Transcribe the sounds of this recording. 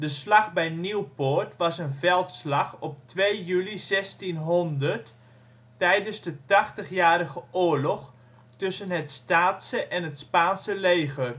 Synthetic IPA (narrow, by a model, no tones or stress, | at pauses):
dəslɑχbɛjniwportʋɑsənvɛlˠtslɑχɔp̚tʋejjylizɛstinɦɔndərtː | ɛjdənzdətɑχtəχjaːɾəχəʔʊːɹlɔχ | tɵsənɦətstaːtsəʔɛnɦətspaːnsəlejɣər